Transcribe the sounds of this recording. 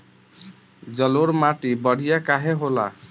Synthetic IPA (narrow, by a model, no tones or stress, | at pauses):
d͡ʒʌloɾmaʈibʌɽ̤ijakaɦeɦola̰